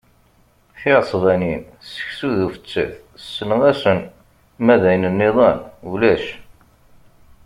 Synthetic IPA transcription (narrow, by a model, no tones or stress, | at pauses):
θiʕsˤvænin | sə̥çsuðufə̥t͡sːə̰θ | sːənəʁæsən | mæðæjnənːɪðˤɑnulæʃ